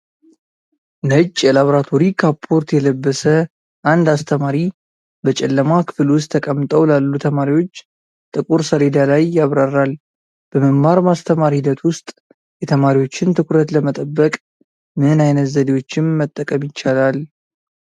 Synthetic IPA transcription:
nəɨt͡ʃʼːjɛlaβəɾat̪ʰo̞ɾikʰapʰːo̞ɾt̪jɛləbːəsə | ʔand̪ast̪ʰəmaɾi | bət͡ʃʼɛlːəmakʰɨ̥fɨlwʊst̪ʰːəkʼəmːt̪ʼəwlalːut̪ʰəmaɾiwo̞t͡ʃː | t̪ʼɨkʼuɾsəled̪alajːaβɾarːal | b̥əməmːaɾmast̪ʰəmaɾihid̪ət̪wʊst̪ʼ | jɛt̪ʰəmaɾiwo̞t͡ʃːɪnt̪ʰɨkʰɾət̪ləmət̪ʼəbːəkʼ | mɨnajnət̪zəd̪iwo̞t͡ʃːɪmːət̪ʼːəkʼəmjɪt͡ʃːalal

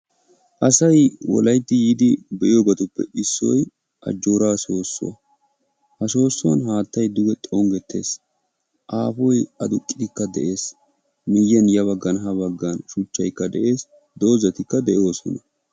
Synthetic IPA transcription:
ʔɐsɐjwɔ̰lɐjt̪ːɪjiːd̪ɪbɛʔɪjoːɡɐt̪ʊpːɛ̰ʔɪsːɔj | ʔɐ̰d͡ʒːoːɾaːso̞ːsːʊ̰ɐ̰ | hɐso̞ːsːɔɐ̰nɦaːt̪ːɐjd̪ʊɡɛt̪ʼoŋɡɛt̪ːe̞̰ːs | ʔaːfɔjɐd̪ʊkʼːɪd̪ɪkːɐd̪ɛʔe̞ːs | mɪjːɛnjɐβɐɡːɐnɦɐbɐɡːɐnʃʊt͡ʃːɐjkːɐd̪ɛʔe̞ːs | d̪o̞ːzɐt̪ɪkːɐd̪ɛʔjo̞ːsɔ̰nɐ

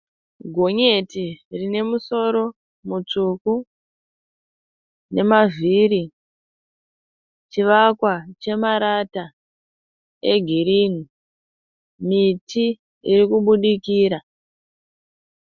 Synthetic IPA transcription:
ɡʱo̞ɲe̞tirine̞muso̞ɾo̞ | mut͡ʂuku | ne̞mavʱiɾi | t͡ʃiʋakwat͡ʃe̞maɾata | e̞ɡʱiɾini | miti | iɾikuɓuɗikiːɾa

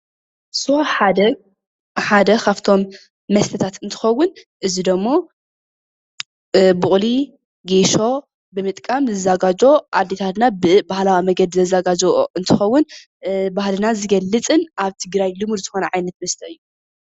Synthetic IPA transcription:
soħad̪ɐ | ħad̪ɐkʰaft̪ʰo̞mː | ɐst̪ʰɐt̪ʰat̪ɨnt̪ʰɨ̥xɐwːʊn | ʔɨzid̪ɐmːo | buχʼli | ɡeʃo̞ | bɨmɨt̪ʼkʼamzɐzaɡad͡ʒo̞ʔad̪et̪ʰat̪nabɨbahlawimɐɡɐd̪zɐzaɡad͡ʒooʔɨnt̪ʰɨxɐwːʊn | bahlɨnazɨɡɐlːɨt͡sʼɨnʔaβt̪ʰɨɡɾajlɨmud̪ɨzɨxo̞nɐʕajnɐt̪mɐst̪ʰɐɨjːu

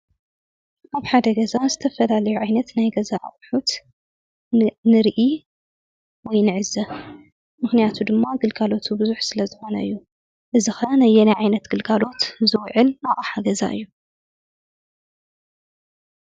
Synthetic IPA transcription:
ʔaβħad̪ɐɡɐzazɨt̪ʰɐfɐlalɐjuʕajnɐt̪najɡɐzaʔa̰ʔʼħut̪ | nɨɾʔi | wɔjnɨʕɨzɐ | mɨxnijat̪ʰud̪ɨmːaɡɨlɡalo̞t̪ʰubɨzuħsɨlɐzɨxo̞nɐɨjːu | ʔɨzɨxɐnajːɛnajʕajnɐt̪ɡ̥ɨlɡalo̞t̪zɨwʕɨlnaʔʼaħaɡɐza̰ʔɨ̰jːu

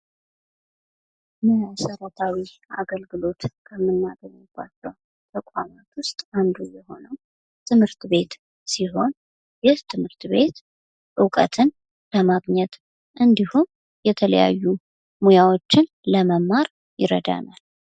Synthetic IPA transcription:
məasəɾət̪ʰawia̰ɡəlɡɨlo̞t̪kʰəmːɨnːaɡənəba̰t͡ʃːɛw | t̪ʰəkʷʼamat̪wʊst̪ʼand̪ujɛho̞nəw | t̪ʰɨmhɨɾt̪be̞t̪ | siɦo̞n | jɛht̪ʰɨmhɨɾt̪βe̞t̪ | ʔɨwkʼə̰t̪ʰɨn | b̥əmaɡɲɛt̪ | ʔɨnd̪ihum | jɛt̪ʰələ̰ja̰jːu | mujawo̞t͡ʃːɪn | ləməmːaɾ | jɪɾə̰d̪a̰nal

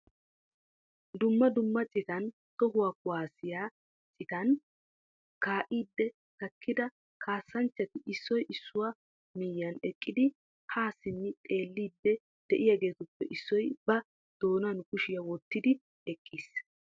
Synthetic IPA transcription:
d̪ʊmːɐd̪ʊmːɐt͡sʼɪkɐn | t̪ɔɦʊwaːkʊwaːsɪjaː | t͡sʼɪkɐn | kaːʔiːd̪ːɛ | k̪ɐkːɪd̪ɐ | kʰaːsːɐnt͡ʃːɐt̪ɪʔɪsːɔjʔɪsːʊwaː | miːjɐnɛkʼːɪd̪ɪ | haːsɪnːɪt̪ʼe̞ːlːiːd̪ːɛ | d̪̥ɛʔɪjaːɡe̞ːt̪ʊpːɛʔɪsːɔjbɐ | d̪̥o̞ːnɐnkʊʃɪjawɔt̪ːɪd̪ɪ | ɛkʼːiːs

